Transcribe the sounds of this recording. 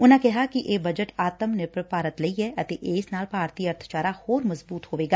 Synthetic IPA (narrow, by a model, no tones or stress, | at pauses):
ʊnãkɛɦakiʔeːbɐd͡ʒəʈaːt̪əmnɪɾpɾpaːɾət̪lɐiɦɛʔɐt̪eʔeːsnaːlpaːɾt̪iːəɾt̪ʰt͡ʃaːɾahoːɾmɐzbuːt̪hoːʋeːɡaː